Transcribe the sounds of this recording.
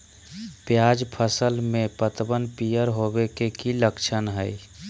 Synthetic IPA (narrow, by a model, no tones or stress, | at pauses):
pjad͡ʒpʰəsəlmẽpət̪bənpijəɾɦobekekiləkt͡ʃʰənɦəj